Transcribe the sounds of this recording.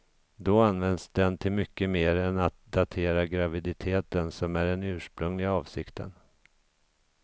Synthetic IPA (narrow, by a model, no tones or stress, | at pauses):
d̪ɔanvɛnd̪sd̪ɛnt̪ʰɪlmʏkːəmeːɾɛnat̪̚d̪at̪ʰeːɾaɡɾavɪd̪ɪt̪ʰeːt̪ənsɔmæɖɛnʉ̟ːʂpɾɵŋlɪɡaɑːvsɪkt̪ʰə̰n